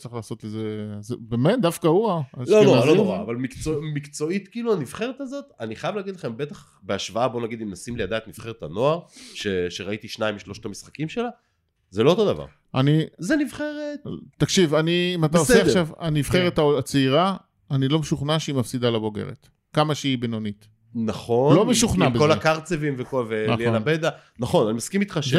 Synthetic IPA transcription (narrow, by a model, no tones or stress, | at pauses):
t͡siχlaːso̞t̪lezezebemetd̪afkaualonoalonoʁaːvalmikt͡somikt͡so̞it̪kiːluanivχe̞ʁet̪azo̞t̪aniχajavlaɡid̪laχe̞mbet̪aχ | beaʃvaabo̞naɡid̪imenasimlejad̪at̪niv̥χeʁet̪anoaʁʃeʃeʁait̪iʃnaimvʃloʃt̪amisχakimʃe̞la | zelo̞ot̪o̞d̪ava̰ʁ | anizenivχeʁet̪t̪akʃivaniːmat̪̬aoseaʃavanivχeʁet̪aat͡seiʁaː | nilo̞meʃuχnaʃeimafsid̪alabo̞ɡḛʁḛt̪ | kamaʃeibeno̞nit | naχo̞nlo̞meʃuχnakolakaʁt͡sevimvekolvenlenanbed̪a | naχo̞nanimaskimit̪χaʃ